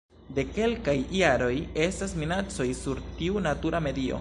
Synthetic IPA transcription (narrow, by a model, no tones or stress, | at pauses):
de̞ke̞lkajːaɾo̞je̞stasminat͡so̞jsuɾtiunatuɾame̞dio̞̰